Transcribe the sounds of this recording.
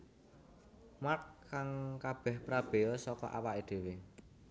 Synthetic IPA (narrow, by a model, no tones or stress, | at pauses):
markːaŋkab̥ɛ̤hpɾab̥e̤ɔsɔkɔ̰ʔa̰waʔed̪̥e̤we